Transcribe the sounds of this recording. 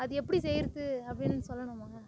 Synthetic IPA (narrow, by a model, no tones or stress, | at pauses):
ɐðɯɛpːɐɽisɛjɾɯt̪ːɯɐpːɐɽinːɯsɔlːɐnʊ̃maːŋɡɐ